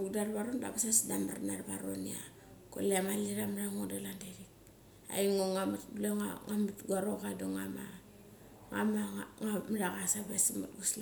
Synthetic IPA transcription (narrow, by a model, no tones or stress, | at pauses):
udarβaɾonba̰basasdama̰rnarbaɾo̰nia̰ | ko̰leamaliɾamaɾaŋodalandaɾik̚ | a̰iŋoŋamatbuleŋaŋamitɡaɾokadoŋama̰ | ŋamaŋamadakasabasimatɡusl